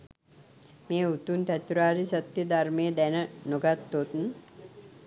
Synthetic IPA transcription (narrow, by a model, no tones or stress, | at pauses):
meːut̪unt̪æt̪uɾaːɾisət̪jəd̪aɾmeːd̪ænənoɡat̪ːot̪n